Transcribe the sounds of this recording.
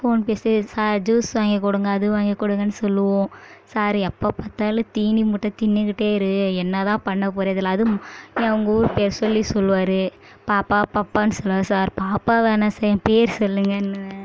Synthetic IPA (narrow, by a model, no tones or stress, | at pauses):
foːnpeːssaːɾd͡ʒuːsʋaːŋɡɐkːɔɽɯŋɡɐːðɯʋaːŋɡɐkːɔɽɯŋɡɐnːɯsɔlːɯʋõːsaːɾɐpːaːpaːt̪ːaːlɯt̪iːnimʊʈːɐt̪ɪnːɯkɪʈːeːɪɾɯɛnːɐt̪ãːpɐɳːɐp̬ɔːɾɐɐðɪlɐɐðɯnĩːɐʋɐŋɡɐuːɾɯpeːɾsɔlːisɔlːɯʋaːɾɯ | paːpːaːpaːpːaːnɯsɔlːɯʋaːɾɯsaːɾpaːpːaːʋeːnɐsɛjɐ̃peːɐɾsɔlːɯŋɡɐɪnːɯ